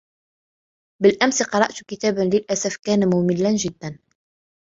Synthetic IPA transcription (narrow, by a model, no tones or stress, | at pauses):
bəlʔæmsqɑɾˤɑʔt̪kɪt̪æːbanlɪlʔasafkæːnmʊməlːanʒɪd̪ːæn